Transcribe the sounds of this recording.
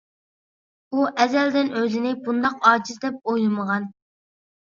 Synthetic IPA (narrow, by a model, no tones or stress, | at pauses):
uʔɛzɛld̪ɪnøzɪnɪbund̪ɑqɑːd͡ʒizd̪ɛp̚ojlˠɨməʁɑn